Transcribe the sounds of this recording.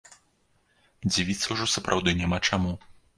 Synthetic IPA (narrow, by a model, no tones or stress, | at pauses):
d͡zʲivʲit̪sɐwʐɔsɐpɾʔawd̪ɨnʲamat͡ʂamu